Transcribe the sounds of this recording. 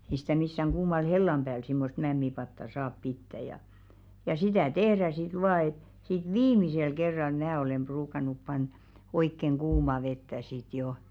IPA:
ei si̥tæ misːæŋ ɡ̊uːmɑl helːɑm b̥æːl simːost mæmːipɑtːɑ sɑːp pitːæ jɑ jɑ sitæˑ tehræ sit ʋɑː et sit ʋiːmisel kerːɑl mæː olem b̥ruːkɑnˑup pɑnn̥̆ɑ̥̆ oikːeŋ ɡ̊uːmɑ ʋetːæ sit jo

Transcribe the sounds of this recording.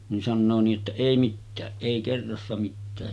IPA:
nin sɑnːoː niːʔ ʔetːæ eˑi mitːæːʔ ʔeˑi kerːɑsːɑ mitːæː

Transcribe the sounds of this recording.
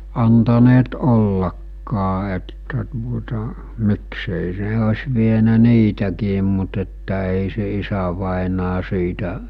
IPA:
ɑntɑneːt olːɑkːɑː etːæ tuotɑ mikseˑi s̞e osʲ ʋienæ niːtækiːm mut etːæ eˑi se isæʋɑˑenɑː siːtæ

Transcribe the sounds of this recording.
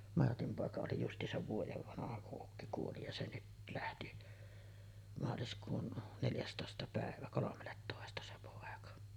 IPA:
mɑrtim poˑekɑ oli justˑiːsɑʋ ʋuojeʋ ʋɑnɑhɑ kuʔ ʔukːi kuoli jɑ se nyt læhti mɑːliskuːn neljæstoˑestɑ pæˑeʋæ kolomelːetːoˑestɑ se poˑekɑ

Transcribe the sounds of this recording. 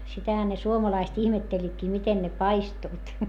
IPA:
sitæhæ ne suomɑlɑist ihmetːelʲːitkiː miten ne pɑistuit

